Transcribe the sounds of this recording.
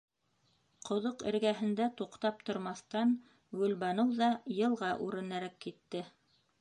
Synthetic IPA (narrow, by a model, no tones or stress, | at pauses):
qʰŏðoqɘ̰̆ɾɡæɦɘ̆nd̪æt̪uqt̪ɑp̚t̪ŏɾmɑθt̪ɑn | ɡɵ̆lbɑnɤwðɑjɤ̆lˠʁɑʔʉɾɘ̆næɾækːit̪ːɘ